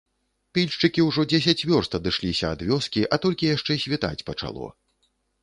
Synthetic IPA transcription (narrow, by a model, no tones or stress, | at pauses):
pʲilʲʂt͡ʂɨkʲiwʐɔd͡zʲɛs̬ʲat͡sʲvʲɔrst̪ɐd̪ɨʂlʲisʲɐɐd̪vʲɔskʲiʔɐt̪ɔlʲkʲijaʂt͡ʂɛsʲvʲit̪a̰t͡sʲpɐt͡ʂa̰lˠɔ̰